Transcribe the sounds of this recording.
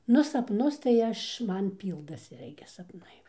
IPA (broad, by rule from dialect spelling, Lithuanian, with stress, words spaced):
ˈnʊ sɐpˈnʊs tɐɪ ˈɐʃ ˈmɐn ˈpʲiːlˠdɐsʲɪ ˈɪrʲɡʲɪ sɐpˈnɐɪ